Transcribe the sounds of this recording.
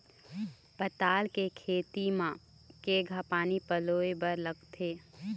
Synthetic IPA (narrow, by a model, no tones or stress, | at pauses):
pət̪aːlkekʰeːt̪imã | keːɡʱapaːnipəloːebəɾləɡt̪ʰeː